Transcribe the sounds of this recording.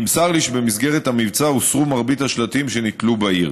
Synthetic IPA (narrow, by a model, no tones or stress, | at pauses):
imsaʁliʃbemisɡe̞ʁet̪amivt͡sausʁumaʁbit̪haʃlat̪imʃenit̪lubaiʁ